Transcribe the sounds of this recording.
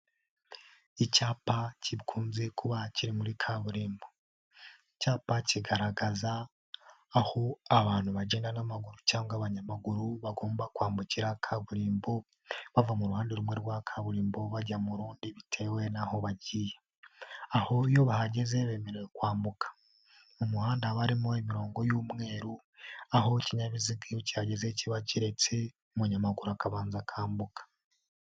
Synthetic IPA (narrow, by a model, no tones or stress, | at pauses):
icaːpaciβkʰuːnze̞kuβaciɾimuɾikʰaβuɾiːmbo | icaːpaciɡaɾaɡazaː | hoaβaːn̥huβaɟeːndanamaɡuɾucaːŋɡaβaɲamaɡuɾuβaɡo̞ːmbakwaːmbuciɾakʰaβuɾiːmbo | βavamuɾuhaːndiɾumwe̞ɾɡwakʰaβuɾiːmbo̞βaɟamuɾuːndiβitʰe̞ːwe̞naho̞βaɟije | aho̞ijo̞βahaɟe̞zeβe̞ːme̞ɾe̞wekwaːmbukʰḁ | mumuhaːndaβaɾimo̞emiɾo̞ːŋɡo̞juːmŋe̞ːɾu | aho̞ciɲaβiziɡijocihaɟe̞ze̞ciβaciɾe̞t͡se̞ | muɲamaɡuɾuakaβaːnzakʰaːmbukḁ